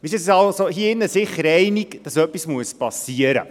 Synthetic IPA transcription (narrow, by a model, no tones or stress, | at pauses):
ʋis̬əssɑlsohiəɪnːəsɪχːəɾɛɪnikd̥ɑsœpːismuəspɑsiəɾə̰